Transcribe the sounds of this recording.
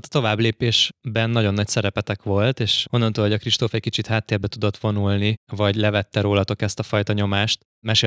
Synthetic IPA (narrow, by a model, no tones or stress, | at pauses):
t̪ɒ̥t̪o̞vaːbleːpeːʃbɛnːɒɟo̞nːɒcsɛɾɛpɛt̪ɛkʋo̞lt̪eːʃo̞nːɒnt̪oːloɟɒkriʃt̪oːfɛkit͡ʃit̪haːt̪ːeːrbɛt̪ud̪o̞t̪ʋo̞nulnivɒɟlɛvɛt̪ːɛɾoːlɒt̪o̞kɛst̪ɒfɒjt̪ɒɲo̞maːʃt̪ | mɛʃeː